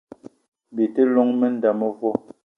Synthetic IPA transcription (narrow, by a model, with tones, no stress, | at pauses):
bi˨te˦lɔ˦ŋme˦n̩˦da˨mə˦vɔ˦